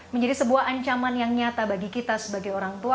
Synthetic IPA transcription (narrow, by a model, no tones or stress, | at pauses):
məɲd͡ʒadisəbuahaɲt͡ʃamanjaŋɲat̪abaɡikit̪asəbaɡajoɾaŋt̪ua